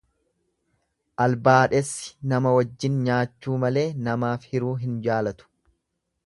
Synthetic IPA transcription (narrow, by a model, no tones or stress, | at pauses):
ʔɐlbaːᶑɛsːɪ̥nɐmɐwɐd͡ʒːɪnɲaːt͡ʃːuːmɐle̞ːnɐmaːfhɪɾuːɦɪnd͡ʒaːlɐt̪ʊ̥